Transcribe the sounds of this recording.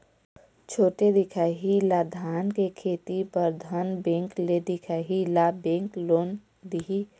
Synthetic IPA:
t͡ʃʰoːʈed̪ɪkʰaːɦilad̪ʱaːnkekʰeːt̪ipəɾd̪ʱənbẽːŋkled̪ɪkʰaːɦilabẽːŋkloːn | d̪iɦi

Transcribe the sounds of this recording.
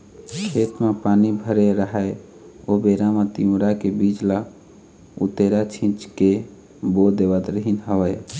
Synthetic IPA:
kʰet̪mepaːnibʱəɾeɾəɦəe | obeɾamet̪iɾakebid͡ʒla | ṵt̪eɾat͡ʃʰĩt͡ʃke | bod̪ebət̪ɾəɦinɦəwəj

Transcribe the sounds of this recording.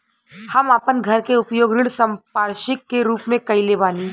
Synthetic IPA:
hɐmaːpənɡʱɐɾkeʊpjoːɡɾɪɽsə̃mpaːɾʃɪkːeɾuːpmẽkɐilebaːniː

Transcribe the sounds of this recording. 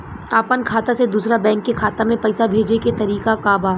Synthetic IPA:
aːpənkʰaːt̪ased̪uːsɾabɛ̃ːŋkːekʰaːt̪amẽpɛɪsabʱeːd͡ʒeket̪ɐɾiːkakaːbaː

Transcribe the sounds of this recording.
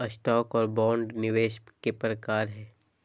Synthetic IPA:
əsʈɔːkɔːɾbɔ̃ːɳɖnɪʋeːʃkepɾəkaːɾɦɛː

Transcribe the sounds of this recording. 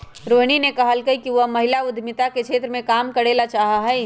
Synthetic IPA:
ɾoːɦñinekɐɦəlkəikiʋəmɐɦɪlaʊd̪ʱmɪt̪akekt͡ʃʃʰeːt̪ɾəmẽkaːmkəɽeːlat͡ʃaːɦaɦɛ

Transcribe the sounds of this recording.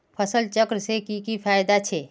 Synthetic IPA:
pʰəsəlt͡ʃəkɾsekikipʰaːjd̪at͡ʃʰeː

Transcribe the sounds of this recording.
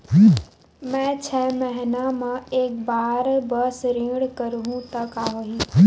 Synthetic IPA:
mɛ̃ːt͡ʃʰɛːmɐɦɪnamãeːk̚baːɾbəsɾĩːɡɽkəɾɦũt̪ɐkaːɦoɦĩː

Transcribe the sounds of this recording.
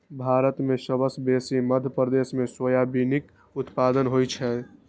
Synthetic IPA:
bʱaɾət̪mesəbəsb̪esiməd̪ʱjəpɾəd̪esmeswəjabinik | ut̪pad̪ənɦojt͡ʃʰɛ

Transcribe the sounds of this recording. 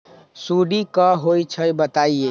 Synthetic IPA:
suɽikəɦojt͡ʃʰəjbət̪aie

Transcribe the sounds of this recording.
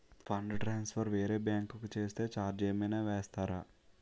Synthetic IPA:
pʰɐɳɖʈɾaːnspʰɐɾʋeːɾeːbjaːŋkukut͡ʃe̞ːst̪e̞ːt͡ʃaːɾd͡ʒeːmijnaːʋeːst̪aːɾaː

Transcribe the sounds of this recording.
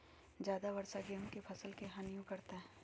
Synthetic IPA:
d͡ʒjaːd̪aʋɐɾsaɡeɦõkepʰɐsəlkeɦãnjũkɐɾt̪aɦɛ̃ː

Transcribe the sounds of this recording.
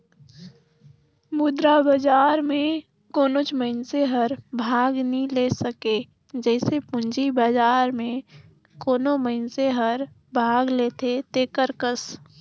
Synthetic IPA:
bud̪ɾabəd͡ʒaːɾmẽ | koːnot͡ʃməɪnseɦəɾbʱaːɡnilesəke | d͡ʒɛɪsepʊ̃nd͡ʒibəd͡ʒaːɾmẽ | koːnoməɪnseɦəɾ | bʱaːɡlet̪ʰet̪ekəɾkəs

